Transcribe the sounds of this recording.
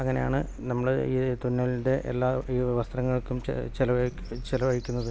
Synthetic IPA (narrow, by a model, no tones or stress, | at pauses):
ɐŋːɐne̞ja̰ːɳɨ | nɐmːɐɭeiːt̪unːɐlinde̞ʔḛlːaːiːʋeʋɐst̪rɐŋːɐɭkːum̰t͡ɕelɐʋɐ | t͡ɕelɐʋɐɻikʲːunːɐðɨ